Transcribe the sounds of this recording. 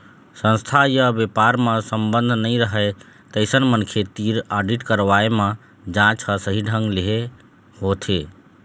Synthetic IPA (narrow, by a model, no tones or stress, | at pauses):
sə̃nst̪ʰajəbepaɾmesəmbənd̪ʱnəɪɾəɦɛ | t̪əɪsənmənkʰet̪iɾaɖiʈkəɾʋaemẽ | d͡ʒãt͡ʃʰəsəɦiɖʱə̃ŋɡleɦe | ɦot̪ʰe